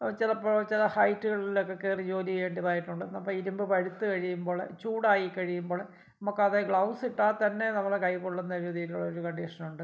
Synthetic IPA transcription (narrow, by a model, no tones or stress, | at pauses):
t͡ɕilɐpːoːt͡ɕilɐhɐjtːuɣɐɭilokːekːeːrid͡ʑo̞ːliɣe̞ːɳɖiðaːjiʈːuɳɖɨnɐmːɐiɾumbɨpɐɻut̪ːɨkɐɻijumbo̞ːɭ̰t͡ɕuːɽaːjikːɐɻijumboːɭ | ɐmokːeɐðeɡɭɐwsiʈːaːt̪ɐnːe̞nɐmːɐɭkɐjpoɭːenːɐɾud̪ʱijilːuɭːɐoɾukɐɳɖiʂɐnuɳɖɨ